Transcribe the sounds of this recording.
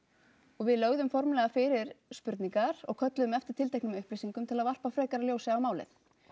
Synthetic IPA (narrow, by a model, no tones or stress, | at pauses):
ɔɣvɪðlœɣðʏmfɔɾmlɛɣafɪɾɪɾ̥spʏɾt̪niŋkaɾ̥ɔ̰ɣkʰœt̪lʏðʏmɛft̪ɪɾ̥t̪ʰɪlt̪ʰehknɪmɛʏhplisiŋkʏmt̪ʰɪlaðval̥pafɾɛːkaɾaljoːwsɪawmaːwlɪ̰θ